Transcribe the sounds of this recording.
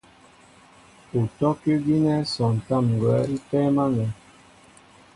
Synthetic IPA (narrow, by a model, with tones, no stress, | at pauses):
u˨tɔ˦ki˦ɡi˦nɛ˦sɔ̃˨n̩˨ta˦˨m˨ɡwɛ˨˦i˦tɛ˦ma˦nɛ˨˦